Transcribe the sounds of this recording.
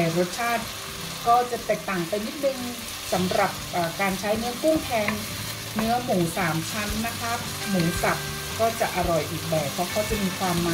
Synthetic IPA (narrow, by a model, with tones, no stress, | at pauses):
a˧˩ɾo˦˥t̪̚t͡ɕʰaː˥˩t̪̚ | kɔː˥˩t͡ɕa˨˩t̪eː˨˩k̚t̪aː˨˩ŋpa˧jni˦˥t̪̚nɯ˧ŋ | sa˩˦mɾa˨˩p̚ʔaː˨˩kaː˧nt͡ɕʰa˦˥jnɯ˦˥ɐku˥˩ŋt̪ʰɛː˧ŋ | nɯ˦˥ɐmuː˩˦ŋsaː˩˦mt͡ɕʰa˦˥nːa˦˥kʰa˦˥ | muː˩˦sa˨˩p̚ | kɔː˥˩t͡ɕa˨˩ʔa˧ɾɔ˨˩jʔiː˨˩k̚bɛː˨˩t̪̚pʰːɔ˦˥kʰɔː˥˩t͡ɕa˨miː˧kʰwaː˧mːaː˨˦